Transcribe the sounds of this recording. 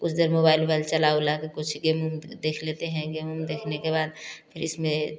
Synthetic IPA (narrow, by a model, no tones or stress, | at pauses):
kʊt͡ʃʰd̪eɾmoːbaːɪlbaɪlt͡ʃɐlaolakekʊt͡ʃʰɡeːmumd̪eːkʰleːt̪eɦɛ̃ɡeːmumd̪eːkʰnekebaːd̪̚pʰɪɾɪsmẽ